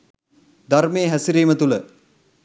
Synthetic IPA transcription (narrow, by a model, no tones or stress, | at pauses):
d̪armeːɦæsiɾiːmət̪ulə